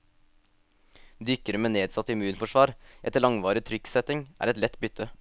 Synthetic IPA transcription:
d̪ʏkəɾəmeːneːd̪sɑt̪əɪmʉːnfɔʃʋɑːɾʔɛt̪ːəɭɑŋʋɑːɾɪt̪ʰɾʏksɛt̪ɪŋʔæ̰ːɾɛt̪lɛt̪bʏt̪ʰə

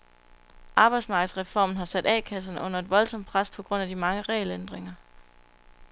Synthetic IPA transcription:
ʔɑ̈ːb̥ɑ̈ɪd̥smɑ̈ːɡ̥ð̩ˠsʁɛfɒ̰ːmn̩ɦɑ̈sæd̥ɛ̰ːkʰæs̬ɐnəʔɔ̽n̰ɐe̝d̥ʋɒ̽lsɒ̽m̰̚pʰʁaspʰɒ̽ɡ̥ʁɔ̽n̰æd̥imɑ̈ŋəʁɛ̰lend̥ʁeŋɐ

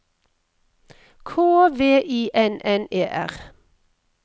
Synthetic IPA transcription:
kʰoːʋeːʔiːʔɛnʔɛneːʔæ̰ʁ

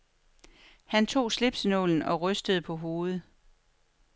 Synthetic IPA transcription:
hænt͡sʰo̝̰ːsle̝b̥snɔ̰ln̩ɒ̽ʁœsd̥əð̞̩ˠəpʰɒ̽ɦo̝ːð̩ˠ

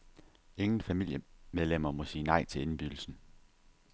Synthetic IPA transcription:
e̝ŋn̩fæmil̰jəmeð̞ˠlem̰ɐmɒ̽siːnɑ̈ɪ̰t͡sʰe̝le̝nb̥yɡ̥l̩sn̩

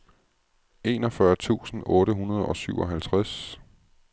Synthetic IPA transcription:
e̝ːnɒ̽fɶɐt͡sʰṵːsn̩ɔ̽ːɾəɦunɐð̞ˠɒ̽syʊɒ̽ɦælt͡sʰʁas

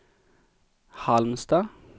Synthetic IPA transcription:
hɑlmsd̪ɑː

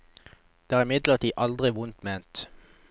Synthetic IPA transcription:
d̪̥eːæːʁɪmɪd̪ləʁt̪ʰiːʔɑld̪ʁɪʋʊnt̪meːnt̪

